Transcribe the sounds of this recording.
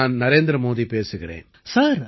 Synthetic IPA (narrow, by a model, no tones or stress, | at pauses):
aːnnɐɾeːnd̪ɾɐmoːðipeːsɯɣɪɾḛːn | saːɾ